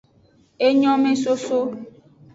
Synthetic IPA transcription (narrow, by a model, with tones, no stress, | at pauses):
e˦ɲɔ̃˦mẽ˦so˦so˦